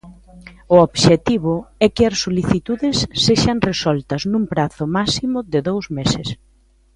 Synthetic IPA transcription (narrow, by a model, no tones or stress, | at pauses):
ʊoβʃet̪iβʊɛkɪɐsːoliθit̪uðɪsːeʃaŋresɔlt̪ɐznũmpɾaθʊmasimʊðɪðowzmesɪs